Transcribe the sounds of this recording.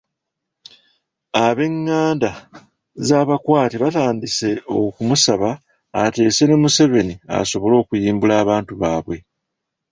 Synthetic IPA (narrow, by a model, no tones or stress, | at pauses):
aβe̞ŋːaːnda | zaːβakwaːtiβataːndise̞o̞kumusaβaː | te̞ːse̞ne̞muse̞βe̞nia̰so̞βo̞lo̞ːkujiːmbulaːβaːntuβaːβwe̞